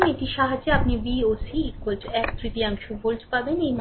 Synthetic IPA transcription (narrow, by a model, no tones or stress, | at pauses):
meʈiʃaɦad͡ʑːeapnibiosikoltɛkt̪ɾit̪iamiʃuboltpabenejm